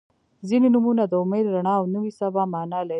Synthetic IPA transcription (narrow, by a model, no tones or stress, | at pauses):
zinenumunad̪əʊmed̪ɾaɳɑːwnəwisabɑmɑnɑla